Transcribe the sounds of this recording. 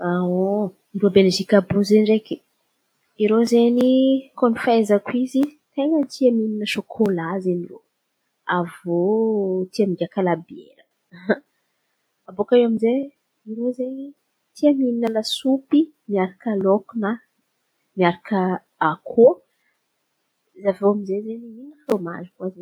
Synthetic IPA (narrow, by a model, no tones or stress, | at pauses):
awo | nɖ͡ʐuəbeledikabuzeniɖ͡ʐeki | iɾozenikonifezəkwizi | t̪eɲənt̪ʰiamininəʃokʰolaziniro̰ | avot̪iamind̪iakalabiḛɾə | abokaeamize | iɾozeɲi | t̪ʰiamininəlasupi | miaɾakəlokuna | miaɾakə | akʰo | zavoamizezeniinəroma̰zukwaze